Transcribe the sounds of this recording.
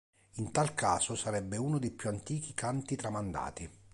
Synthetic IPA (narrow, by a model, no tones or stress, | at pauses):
int̪alkaːsosaɾɛbːeuːnod̪ejpjuant̪iːk̟ikant̪it̪ɾamand̪a̰ːt̪i